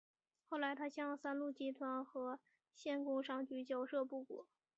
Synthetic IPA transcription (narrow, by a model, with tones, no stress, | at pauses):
xo˥˩ʊla˧˥ɪt̪ʰa˥ɕjɑ˥˧ŋsa˥nlu˥˩t͡ɕi˥t̪ʰwa˧˥nxɤ˧˥ | ɕjɛ˥˩nkʊ˥ŋʂɑ˥ŋt͡ɕy˧˥t͡ɕjɑ˥˩ʊʂɤ˥˧pu˥˩kwɔ̰˨˩˦